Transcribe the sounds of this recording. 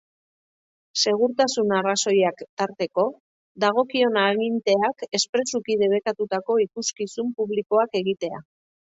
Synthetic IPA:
se̞ɣ̞uɾt̪asunaraso̞jakt̪aɾt̪e̞ko̞ | d̪aɣ̞o̞kio̞naːɣint̪e̞ake̞spɾe̞sukiðe̞βe̞kat̪ut̪ako̞ikuskisumpuβliko̞ake̞ɣit̪e̞a̰

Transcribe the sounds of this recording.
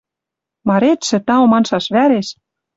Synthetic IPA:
mɑɾet̪ʃɘ̆t̪ɑomɑnʃɑʃβæɾeʃ

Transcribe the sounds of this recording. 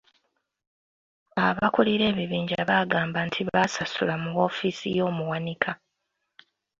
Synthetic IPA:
aβakuliɾe̞ːβiβiːɲɟaβaɡaːmbantʰiβasasulamuɣo̞ːfisḭjo̞ːmuwanikʰa

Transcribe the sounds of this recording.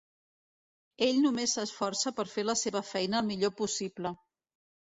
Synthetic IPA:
eʎnumesəsfɔrsəpəɾfeləseβəfɛjnəːlˠmiʎopusiblə

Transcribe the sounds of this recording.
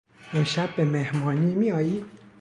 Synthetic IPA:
enʃæbːemehmɒːniːmiɒːjiː

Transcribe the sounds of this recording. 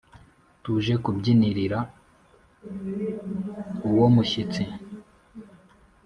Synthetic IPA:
tuʒe̞kubɟiniɾiɾa | uwomuçit͡si

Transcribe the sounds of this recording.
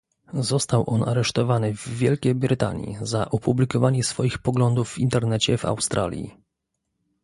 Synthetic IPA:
zɔst̪awʔɔnaɾɛʂt̪ɔvanɘvːʲjɛlkʲejbɾɘt̪a̰ɲḭzaʔɔpublʲikɔvaɲɛsfɔjixpɔɡlɔnd̪uvːint̪ɛɾnɛt͡ɕɛva̰wst̪ɾʔa̰lʲjḭ

